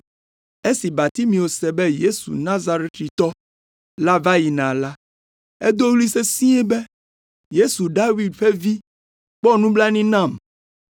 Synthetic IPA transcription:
e˦si˨ba˨t̪i˦mĩ˨wo˨sɛ˨bɛ˦je˦sṵ˨nã˦za˨ɾɛ˦t̪ɾi˨t̪ɔ˦ | la˦va˦ji˨nã˨la˦ | e˦d̪o˦wli˦se˦sĩ˦ɛ˦be˦ | je˦su˨ɖa˦wi˦dɸe˦vi˦ | k͡pɔ˦nũ˦bla˦nĩ˦nã˦˨m

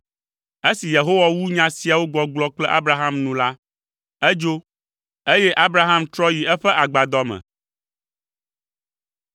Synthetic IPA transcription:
e˦si˨je˨ɦo˦wa˦wu˦ɲã˦si˨a˨wo˦ɡ͡bɔ˦ɡ͡blɔ˦k͡plɛ˦ʔa̰˦bɾa˦ɦa˦mnũ˨la˦ | e˦d͡ʒo˦ | e˦jɛ˦ʔa˦bɾa˦ɦa˦mt̪ɾɔ˦ji˨ɛ˦ɸɛ˦ʔa˨ɡ͡ba˨d̪ɔ˦mɛ̰̃˨

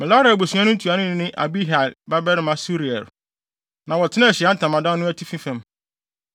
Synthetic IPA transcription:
mɪ̃˨la˦ɾa˨bo˨su˨˦a˦nʊ̃˦tʰu˨a˨nʊ̃˦nɪ̃˦nɪ̃˦ʔa̰˨bi˦ɦa˨lba˦bɛ˦ɾɪ˦mã˦su˦ɾi˨ɛ̰˨ɾ | nã˨wɔ˨tʰɪ˦nã˦˨ɕɪ˨a˦n̩˦tʰã˨mã˨dã˦nʊ̃˦æ˦tʰi˦fĩ˦fɛ̃˨m

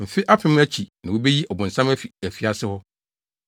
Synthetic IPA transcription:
m̩˨fɪ˦ʔa˦fɪ̃˨˦mʊ̃˦æ˦t͡ɕʰi˨nã˨wo˨be˦ji˦ʔɔ˨bʊ̃˨n̩˨sã˦mæ˦fi˨æ˨fi˨a˨sɪ˦hɔ˦

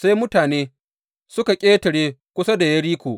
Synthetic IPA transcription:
sa˦jmʊ˦taː˨neː˦ | sʊ˦ka˨kʲʼeː˦tɐ˨ɽeː˦kʷʊ˦sa˦da˨jɐ˦ɽiː˦kʷoː˨ʔ

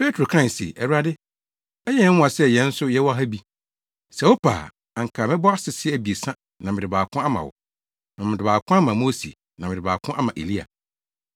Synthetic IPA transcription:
pe˦tʰɾo˨kʰɾã˦˨sḛ˨ʔɛ˨wa˦dɪ˦ | ɛ˦jɛ˦wʊ̃˦a˨sɛ˦˨jɛ̃˦n̩˦sʊ˦jɛ˦wɔ˦ɦæ˦bi˦ | sɛ˨wo˦pʰa̰ː˨ | a˨ŋ̩˨kʰaː˨mɪ̃˦bɔ˦a˦sɪ˨sɪ˦æ˨bi˨e˨sã˦ | nã˨mɪ̃˨dɪ˨baː˨kʰʊ̃˦a˦mã̰˨wʊ̰˨ | nã˨mɪ̃˨dɪ˨baː˨kʰʊ̃˦a˦mã˨moː˦sḭ˨ | nã˨mɪ̃˨ɪ˨baː˨kʰʊ̃˦ʔa˦mã˨ʔḛ˨li˦a̰˨

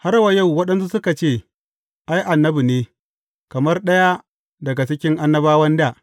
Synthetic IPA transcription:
ha˦ɾwa˨ja˦˨wwɐ˦ɗɐ˦ns̬u˦sʊ˦ka˨t͡ʃeː˦˨ | ʔa˦jʔa˨nːɐ˦bi˨neː˦ | kɐ˨mɐ˦rɗɐ˦ja˦ | dɐ˨ɡa˨t͡ʃɪ˦kʲɪ˦ŋʔa˦nːɐ˦baː˦wɐ˦ndaː˦˨ʔ

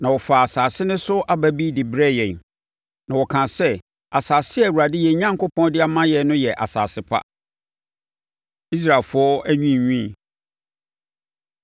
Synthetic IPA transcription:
nã˨wɔ˨fa˨a˨saː˨sɪ˦nɪ̃˦sʊ˦ʔa˦bæ˦bi˦dɪ˨bɾɛ˦jɛ˨n | nã˨wɔ˨kʰã˨sɛ˦ | a˨saː˨sɪ˦ɛ˨wu˨ɾa˨dɪ˦jɛ˨˦ɲã˦ŋko˦pʰɔ̃˦ndɪ˦a˦mã˦jɛ˨˦nʊ̃˦jɛ˨ʔa̰˨sa̰ː˨sɪ˨˦pʰa̰˦ | i˦s̬ɾa˨lfʊ˨˦ɔ˦æ˦ɲᶣĩ˦˨ɲᶣĩ˦˨

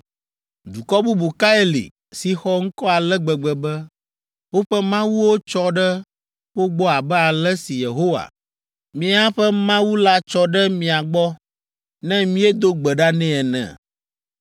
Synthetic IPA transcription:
d̪u˨kɔ˦bu˦bu˨ka˦e˦lḭ˨ | si˨xɔ˦ŋ̩˦kɔ˦a˨lɛ˦ɡ͡bɛ˨ɡ͡bɛ˨bɛ˦ | wo˦ɸɛ˦mã˦wu˦wo˦t͡ʃɔ˦ɖɛ˦ | wo˦ɡ͡bɔ˦a˨bɛ˦a˨lɛ˦si˨je˨ɦo˦wa̰˨ | mĩ˦a˦ɸɛ˦mã˦wu˦la˦t͡ʃɔ˦ɖɛ˦mĩ˨a˨ɡ͡bɔ˦ | nɛ̃˦mĩ˦ɛ˦d̪o˦ɡ͡bɛ˨ɖa˦nɛ̃˦ɛ˨nɛ̰̃˨

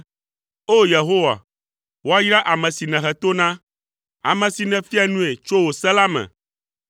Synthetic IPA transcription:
o˦je˨ɦo˦wa̰˨ | wo˦a˦ji˦ɾa˦ʔa˨mɛ̃˨si˨nɛ̃˨xɛ˨t̪o˦nã˦ | a̰˨mɛ̃˨si˨nɛ̃˨fi˦a˨nũ˦e˨t͡ʃo˦wo˨sɛ˦la˦mɛ̰̃˨

